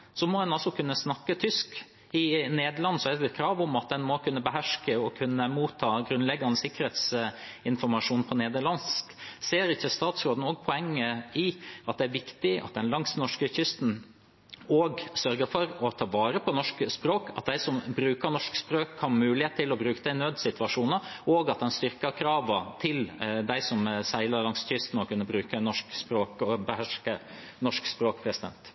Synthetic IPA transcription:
sɔmɔd̪ɛnɑlsɔkʰʉnːəsnɑkːət̪ʰʏsk | ɪneːd̪əɭɑnsɔæd̪əkʰɾɑːʋʊmɑt̪̚d̪ɛnmɔkʰʉnːəbəɦæʂkəɔkʰʉnːəmuːt̪ʰːɑːɡɾʉnlɛɡːɑnːəsɪkːəɾheːt̪sɪnfɔɾmɑʂuːnpʰɔneːd̪əɭɑnskseːɾɪçːəst̪ɑːt̪sɾoːd̪n̩ɔːɡ̚pʰɔɛŋːəɪʔɑt̪̚d̪ɛæɾʋɪkt̪ɪʔɑ̰t̪̚d̪ɛnlɑŋsnɔʂkəçʏst̪n̩ | oːɡsœɾɡəɾfɔɾɔt̪ʰɑːʋɑːɾəpʰɔnɔʂkspɾoːkʰɑt̪̚d̪æɪsɔmbɾʉːkəɾnɔʂkspɾoːkhɑnmʉːlɪheːt̪ʰːɪlɔbɾʉːkəd̪æɪnøːd̪sɪt̪ʰʋɑʂuːnəʔoːɡɑt̪̚d̪ɛnst̪ʏɾkəkʰɾɑːʋət̪ʰɪld̪æɪsɔmsæɪlɑɾlɑŋsçʏst̪nɔkʉnːəbɾʉːkənɔʂkspɾoːkbəhæʂkə | nɔʂkspɾoːkpʰɾɛsɪd̪ɛ̰nt̪

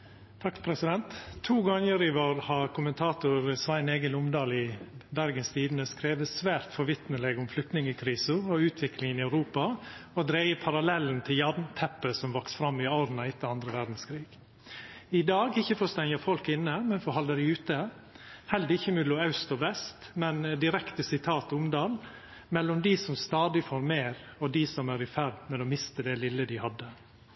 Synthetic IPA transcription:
t̪ʰɑkpʰɾɛsɪd̪ɛnt̪t̪ʰːuːɡɑŋːəɾɪʋoːɾhɑkʰʊmənt̪ʰɑːt̪ʊɾsʋæɪneːɡənʊmd̪ɑːlɪbæɾɡənst̪ʰiːd̪n̩əskɾeːʋəsʋæːɾt̪fɔɾʋɪt̪nəlɛɡʊmflʏkt̪nɪŋəkʰɾiːsəɾɔʉːt̪ʰʋɪklɪŋənɪɑʉɾuːpɑɔd̪ɾeɪəpʰɑɾɑlɛln̩t̪ʰɪljɑdnt̪ʰɛpːəsɔmʋɑksfɾɑmːɪɑɾnɑɪt̪ːəɑnd̪ɾəʋæɾd̪n̩skʰɾiːɡ | ɪd̪ɑːɡɪçːəfɔst̪ɛŋəfɔlkɪnːəmɛnfɔhɑld̪əɾɪʉːt̪ə | hɛləɾɪçːəmʉlʊɑʉst̪ɔʋɛst̪mɛnd̪ɪɾɛkt̪əsɪt̪ʰɑːt̪ʊmd̪ɑːl | mɛlːʊmd̪ɪsɔmst̪ɑːd̪ɪfoːɾmeːɾɔd̪ɪsɔmæɾɪfæɾd̪mɛɔmɪst̪əd̪ɛlɪlːəd̪ɪhɑd̪ːə

